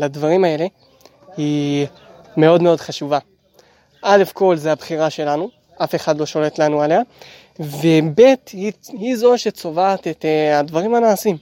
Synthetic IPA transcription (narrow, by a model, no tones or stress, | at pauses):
ladvaʁimae̞le̞ | hi | me̞o̞dme̞o̞d̪χaʃuva | ʔale̞fko̞lzeabχiʁaʃe̞lanu | ʔafe̞χadlo̞ʃo̞le̞tlanuale̞a | ve̞be̞t̪hihizoʃet͡so̞vaːt̪et̪advaʁimanaːsim